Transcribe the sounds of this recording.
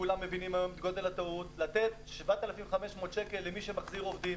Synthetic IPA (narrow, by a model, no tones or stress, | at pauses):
kulamːevinimhajo̞md̪ɡo̞d̪e̞lhat̪autlat̪e̞tʃvat̪alafimχame̞ʃmo̞ːt̪ʃe̞ke̞lːemiʃemaχziʁo̞vd̪im